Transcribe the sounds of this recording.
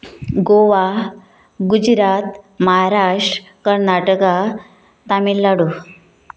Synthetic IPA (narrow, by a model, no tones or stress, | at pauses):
ɡoʋa | ɡud͡ʑɾat̪məɦaɾaʂʈɾ | kəɾnaʈəka | t̪amilːaɽu